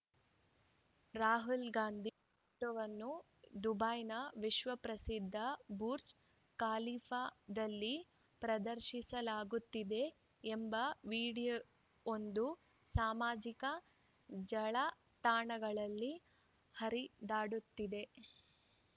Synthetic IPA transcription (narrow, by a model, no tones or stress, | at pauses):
ɾaːɦulɡaːnd̪ʱi | ʈɐʋɐnːu | d̪ubaːjnɐʋiʃʋɐpɾɐsid̪ʱːɐbuːɾt͡ʃ | kaːliːfʰad̪ɐlːi | pɾɐd̪ɐɾʃisɐlaːɡut̪ːid̪e̞ː | mbɐʋiːɽij | ond̪u | saːmaːd͡ʒikɐ | d͡ʒɐɭɐ | t̪aːɳɐɡɐɭɐlːi | hɐɾid̪aːɽut̪ːid̪e̞